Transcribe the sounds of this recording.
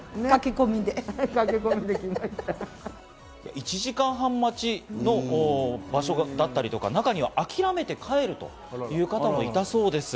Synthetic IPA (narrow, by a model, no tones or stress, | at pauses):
nkakʲikomʲid̪ekakʲikomʲid̪ekʲimaɕi̥t̪a | ja̰ʔit͡ɕiʑikãɰ̃ɦãmːat͡ɕino̞ː | baɕo̞ɡd̪at̪ːaɾʲit̪o̞ka̰nakaɲ̟iβa̰ʔakʲiɾame̞t̪e̞kʰae̞ɾɯ̟t̪o̞̰ | jɯ̟ːkat̪amo̞it̪aso̞ːd̪e̞sɨ